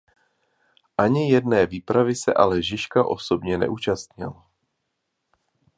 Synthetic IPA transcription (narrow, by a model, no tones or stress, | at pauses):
ʔaɲɪjɛdnɛːviːpɾavɪsɛ̰ʔalɛʒɪʃkaʔo̞̰so̞bɲɛnɛ̰ʔuːt͡ʃast̪ɲɪ̰l